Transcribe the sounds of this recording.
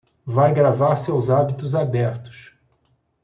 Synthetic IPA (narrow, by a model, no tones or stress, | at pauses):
vajɡɾavaɾsewzabit̪ʊzabɛɾt̪ʊ̥s